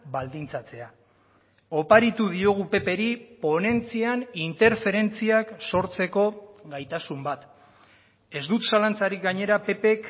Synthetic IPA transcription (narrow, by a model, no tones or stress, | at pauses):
bald̪int͡sat͡se̞a | o̞paɾit̪uð̞io̞ɣ̞upe̞pe̞ɾipo̞ne̞nt͡sianint̪e̞ɾfe̞ɾe̞nt͡siakso̞ɾt͡se̞ko̞ɡajt̪asumbat̪ | e̞zd̪ut̪salant͡saɾik̚ɡaɲe̞ɾape̞pe̞k